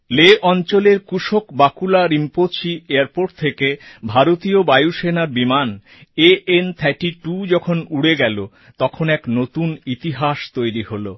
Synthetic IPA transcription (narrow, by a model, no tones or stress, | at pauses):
leʔɔnt͡ɕoleɾkuʃokbakulaɾimpot͡ɕieaɾpoʈ̚t̪ʰekebʱaɾot̪iobajuʃenaɾbiman | eent̪ʰɛʈiʈud͡ʑɔkʰonuɽeɡɛlo | t̪ɔkʰonɛknot̪unit̪iɦaʃt̪ojɾiholo